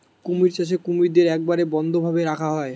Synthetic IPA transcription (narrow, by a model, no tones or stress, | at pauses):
kumiɾt͡ɕaʃ̬ekumiɾd̪eɾɛk̚baɾebɔnd̪ʱobʱabeɾakʰaɦɔe